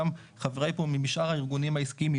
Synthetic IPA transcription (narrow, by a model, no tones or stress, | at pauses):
m | χaveʁejpomimiʃʔaʁhaiʁɡunimhaiskiimi